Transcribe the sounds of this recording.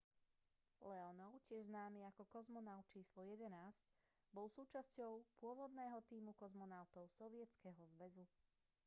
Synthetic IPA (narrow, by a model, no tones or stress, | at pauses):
lɛɔnɔʊcɪɛʒznaːmiːakɔkɔzmɔnaʊt̪̚t͡ʃiːslɔjɛd̪ɛnaːzc | bɔlˠsuːt͡ʃascɔʊpʊɔʋɔd̪nɛːɦɔt̪iːmukɔzmɔnaʊt̪ɔʊsɔʋɪɛt͡skɛɦɔzʋɛzu